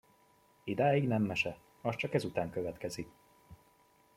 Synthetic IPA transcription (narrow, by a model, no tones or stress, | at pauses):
id̪aːjiɡnɛmːɛʃɛ | ɒst͡ʃɒkɛzut̪aːŋkøvɛt̪kɛzik